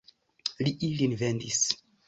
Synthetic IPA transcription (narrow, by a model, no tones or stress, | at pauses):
liʔilinvendis